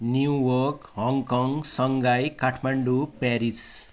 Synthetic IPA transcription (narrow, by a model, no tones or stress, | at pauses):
njuwʌrkɦʌŋkʌŋsʌŋɡajkaʈʰmaɳɖupaɾis